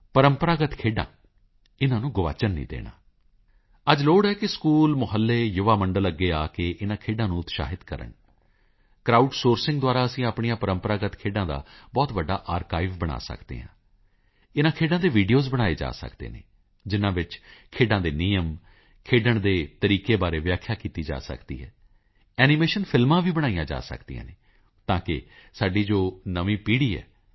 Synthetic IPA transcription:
pəɾəmpəɾaːɡət̪kʰeːɖã̰ː | ɪnãːnũːɡʊʋa̰ːt͡ʃənːḭ̃ːd̪ḛːɽa̰ː | əd͡ʒloːɽɦɛːkɪskuːlmʊɦəlːeːjʊʋaːməɳɖələɡːeːaːkeːʔɪnãːkʰeːɖãːnũːʊt̪ʃa̰ːɦɪt̪kəɾə̰ɳ | kɾaːuːʈsoːɾsɪ̃ŋɡd̪oaːɾaːəsĩːaːpɳijãːpəɾəmpəɾaːɡət̪kʰeːɖãːd̪a̰ːbɔːt̪ʋəɖːa̰ːʔaːɾkaːiʋbəɽ̃a̰ːsə̰kd̪ḛːɦã̰ː | ɪnãːkʰeːɖãːd̪eːʋiːɖijoːzbəɽ̃aːeːd͡ʒa̰ːsə̰kd̪ḛːnḛː | d͡ʒɪnãːʋɪt͡ʃkʰeːɖãːd̪eːniːəm | kʰeːɖəɳd̪eːt̪əɾiːkeːbaːɾeːʋɪjaːkʰjaːkiːt̪iːd͡ʒa̰ːsə̰kd̪ḭːɦɛː | ɛːnimeːʃənpʰɪlmãːʋiːbəɽ̃aːijãːd͡ʒa̰ːsə̰kd̪ḭã̰ːneː | t̪ãːkɪ̰saːɖiːd͡ʒoːnəʋĩːpiːɽiːɛ̰ː

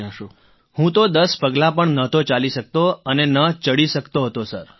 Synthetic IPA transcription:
hũt̪od̪əspəɡlapəɳnət̪ot͡ʃaliʃək̚t̪oənenət͡ʃəɽiʃəkt̪oɦət̪osəɾ

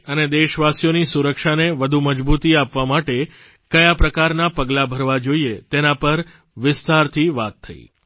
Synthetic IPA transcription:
əned̪eʃʋasjonisuɾəkʃaneʋəd̪ʱuməd͡ʒbut̪iapʋamaʈe | kəjapɾəkaɾnapəɡlabʱəɾʋad͡ʒoiet̪enapəɾ | ʋɪst̪aɾt̪ʰiʋa̰t̪ʰːə̰ḭ

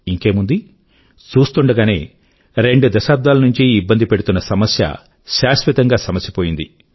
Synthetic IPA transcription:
iŋke̞ːmund̪i | t͡ʃuːst̪uɳɖɐɡaːne̞̰ː | ɾe̞ɳɖud̪ɐʃaːp̚d̪aːlɐnuɲt͡ʃiːbːɐnd̪ipe̞ɽut̪unːɐsɐmɐsjɐ̰ | ʃaːsʋit̪ɐŋɡaːsɐmɐsjɐpo̞ːjind̪i

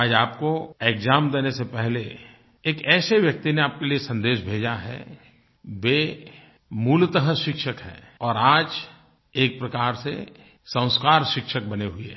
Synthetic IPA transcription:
aːd͡ʒaːpkoekzaːmd̪eːnesepɛɦle | eːkɛːseʋjɐk̚t̪ineaːp̚keliesɐ̃nd̪eːʃbʱeːd͡ʒaɦɛ̰ | beː | muːlt̪əɦəʃɪkʃəkɦɛ̰ː | ɔːɾaːd͡ʒ | eːk̚pɾɐkaːɾsḛ | sə̃ʊ̃skaːɾʃɪkʃək̚bɐneɦʊiɦɛ

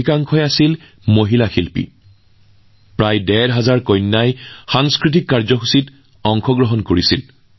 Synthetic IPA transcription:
ikaŋkʰɔjasil | moɦilaxilpḭ | pɹajdɛɹɦazaɹkɔjnːajxaŋskɹit̬ikːaɹzɔɦusit | ɔŋkʰɔɡɹɔɦɔnkoɹisḭl

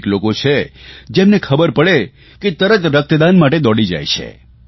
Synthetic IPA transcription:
klokot͡ʃʰed͡ʒemnekʰəbəɾpəɽe | ket̪əɾət̪ɾək̚t̪əd̪anmaʈed̪ɔɽid͡ʒa̰jt͡ʃʰḛ

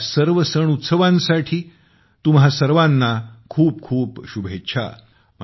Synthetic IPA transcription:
səɾʋəsəɳut̪səʋãnsaʈʰiː | t̪umɦasəɾʋãnːakʰuːp̚kʰuːpɕubʱet͡ɕʰa̰ | m

